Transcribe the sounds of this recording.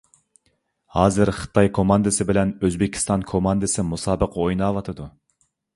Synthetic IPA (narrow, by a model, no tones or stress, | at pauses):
hɑːzɨɾχɨ̥t̪ʰɑjkʰomɑnd̪ɨsɨbɪlɛnøzbɪkʲʰːi̥st̪ɑnkʰomɑnd̪ɨsɨmusɑːbəqojnɑːvɑt̪ʰɨd̪u